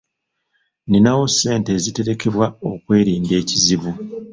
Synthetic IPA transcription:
ninawo̞sːe̞ːnte̞ːzite̞ɾe̞ke̞βwao̞kwe̞ːɾiːnde̞ːciziβu

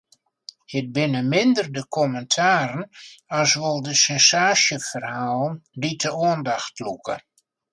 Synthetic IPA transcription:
hɪt̚bɪnəmɪndərdəkʰɔməntʰaːɾənasʋolˠdəsɛnsaːsjəfərhaːlˠənditʰəoəndaxtlukʰə̰

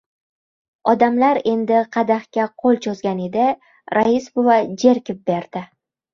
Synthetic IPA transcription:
ɒd̪amlaɾe̞nd̪ɪqʰɑd̪aχkʲaqʰolˠt͡ʃʰozɡʲaned̪ɪ | ɾaisbʊvad͡ʒe̞ɾkʲɪp̚be̞ɾd̪ɪ

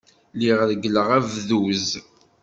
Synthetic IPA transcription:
liʁðəɡələʁævðuz

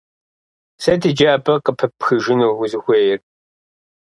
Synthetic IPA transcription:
sɐdid͡ʒaːbʼɐqəpʰɐpxɨʒɪnuɣʊzɨxʷeːjɪr

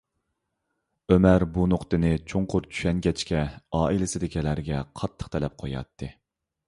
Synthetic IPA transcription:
ømæɾbunoqt̪ɨnɪt͡ʃʰoŋqʰʊɾt͡ʃʰy̥ʃɛnɡʲɛt͡ʃkʲɛɑːilɪsɪd̪ɪkʲilæɾɡʲɛqʰɑt̪ʰːə̥qt̪ʰɛlɛp̚qʰojɑ̰t̪ʰːɨ

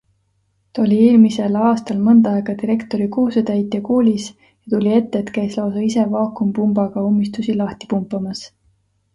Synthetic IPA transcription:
t̪olʲieːlmise̞lɑːst̪ɑlmɤnd̪ɑɑeɡ̥ɑt̪iɾe̞kt̪o̞ɾikuːset̪æjt̪ˑːekoːlʲis | jɑt̪ulʲie̞t̪ːe̞ːt̪kæjslɑosɑise̞vɑːkumpumbɑɡ̥ɑomːist̪usilɑht̪i̥pumpːˑɑmɑs

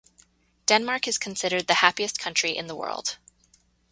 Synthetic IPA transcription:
d̥ɛ̃nmɑɹkɨz̥kʰn̩sɪɾə˞d̪̚ðɨhæpiɨskʰʌ̃nt͡ʃɹ̥iʔɨ̰̃nðəwɜ̰˞lˠd̥

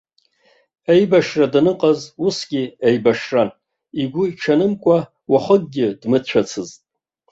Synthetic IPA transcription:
ejbaʂradanɨqʼazusɡʲiejbaʂran | iɡʷʊiʈ͡ʂʰanɨmkʷʼa | waχəɡ̚ɡʲɪdmɨt͡ʃʷʰat͡sʰɨztʼ

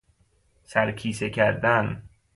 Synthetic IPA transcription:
sæɾkʰiːsekʰæɾd̪æn

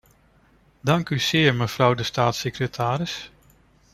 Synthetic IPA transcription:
dɑŋkyz̥ɪːɹməv̥rʌwdəstaːtsekrətʰaːɾɪs

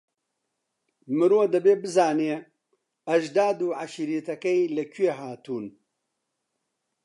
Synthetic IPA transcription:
mɨɾoːd̪ɐbeːbɨzaːneː | ɐʒd̪aːd̪uːʕaʃiɾiːt̪ɐkɐjlɐkʰweːɦaːt̪uːn

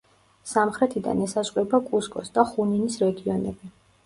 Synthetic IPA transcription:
samχɾɛt̪ʰid̪a̰nɛsazqʼɾɛbakʼuskʼɔsd̪aχuninisɾɛɡiɔnɛ̰bi

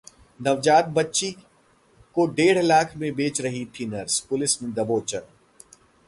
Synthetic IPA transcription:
nɐʋd͡ʒaːt̪̚bɐtːʃi | koɖeːɽ̤laːkʰmẽbeːt͡ʃɾɐɦit̪ʰinɐɾspʊlɪsmẽd̪ɐboːt͡ʃəɾ

